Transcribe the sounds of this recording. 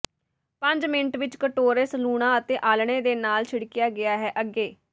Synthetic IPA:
pə̃ɲd͡ʒmɪɳʈʋɪt͡ʃkəʈoːɾesluːɽãːət̪eːʔaːlɳ̃eːd̪eːnaːlt͡ʃʰɪɽkɪjaːɡɪaːɦɛːʔəɡeː

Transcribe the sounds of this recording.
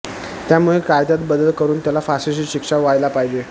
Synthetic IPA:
t̪jamuɭekajd̪at̪bəd̪əlkəɾuːnt̪jalafasiɕiːɕikʂaʋajlapaɦid͡ʑe

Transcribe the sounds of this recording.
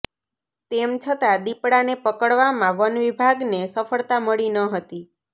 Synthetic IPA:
t̪emt͡ʃʰət̪ad̪ipɽanepəkəɭʋamãʋənʋibʱaɡnesəfəɭt̪aməɭinəɦət̪i

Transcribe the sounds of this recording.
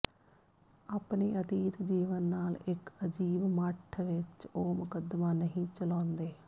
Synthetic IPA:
aːpniːʔət̪iːt̪d͡ʒiːʋənːaːlɪkəd͡ʒiːbməʈʰʋɪt͡ʃoːmʊkəd̪maːnəɦĩːt͡ʃəlãːnd̪eː

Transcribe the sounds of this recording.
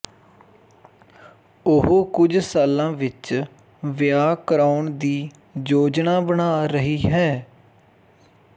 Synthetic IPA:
ʊɦoːkʊd͡ʒsaːlãːʋɪt͡ʃ | ʋɪjaːkəɾaːʊɳd̪iː | d͡ʒoːd͡ʒnaːbənaːɾəɦiːɦɛː

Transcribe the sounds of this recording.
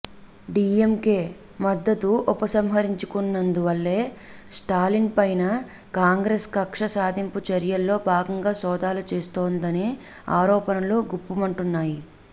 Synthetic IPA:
ɖiːemke̞ː | mɐd̪ːɐt̪uupɐsɐmɦɐɾiɲt͡ʃukunːɐnd̪uʋɐlːe̞ː | sʈaːlinpɐjnɐ | kaːŋɡɾeːskɐkʂɐsaːd̪ʱimput͡ʃɐɾjɐlːo̞ːbaːɡɐŋɡaːsɔːd̪ʱaːlut͡ʃeːst̪oːnd̪ɐneː | aːɾɔːpɐnɐluɡupːumɐɳʈunːaːji

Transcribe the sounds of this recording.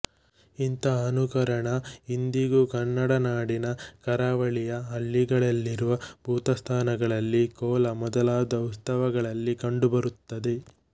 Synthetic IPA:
int̪ɐːnukɐɾɐɳɐind̪iɡukɐnːɐɽɐnaːɽinɐkɐɾaːʋɐɭijɐɦɐlːiɡɐɭɐlːiɾuʋɐb̥ʱuːt̪ɐst̪ʰaːnɐɡɐɭɐlːikɔːlɐmɔd̪ɐlaːd̪ɐust̪ɐʋɐɡɐɭɐlːikɐɳɖubɐɾut̪ːɐd̪e̞

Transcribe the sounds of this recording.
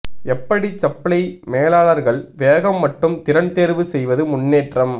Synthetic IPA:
ɛpːɐɽit͡ʃɐpːɐɭɐɪmeːlaːɭɐɾɣɐɭʋeːɣɐmːɐʈːɯmt̪ɪɾɐnt̪eːɾʋɯsɛjʋɐðɯmʊɳːeːʈrɐm

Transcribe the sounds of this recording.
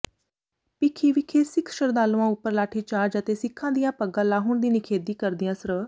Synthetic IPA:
pɪkʰiːʋɪkʰeːsɪkʰʃəɾd̪aːluãːʊpːəɾlaːʈʰiːt͡ʃaːɾd͡ʒət̪eːsɪkʰːãːd̪ɪjãːpəɡãːlaːɦʊːɳd̪iːnɪkʰeːd̪iːkəɾd̪ɪjãːsəɾə

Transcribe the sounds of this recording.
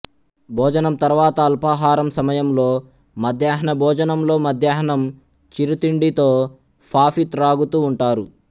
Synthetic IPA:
bʱɔːd͡ʒɐnɐmt̪ɐɾʋaːt̪ɐːlpaːɦaːɾɐmsɐmɐjɐmlo̞ː | mɐd̪ʱjaːɦɐɳɐbʱɔːd͡ʒɐnɐmlo̞ːmɐd̪ʱjaːɦɐɳɐm | t͡ʃiɾut̪iɳɖit̪o̞ː | pʰaːfit̪ɾaːɡut̪uːɳʈaːɾu

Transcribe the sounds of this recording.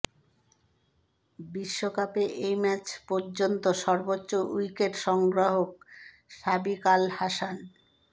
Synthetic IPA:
biʃːokapeʔejmɛt͡ɕpoɾd͡ʑont̪oʃɔɾbotːɕoʔujkeʈʃɔŋɡɾaɦok̚ | ʃabikalhaʃan

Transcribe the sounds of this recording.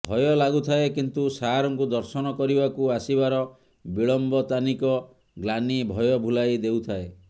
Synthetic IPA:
bʱɔjɔlaɡut̪ʰaekint̪usaɦaɾɔŋkud̪ɔɾsɔnɔkɔɾibakuasibaɾɔ | biɭɔmbɔt̪anikɔ | ɡlanibʱɔjɔbʱulajd̪eut̪ʰae

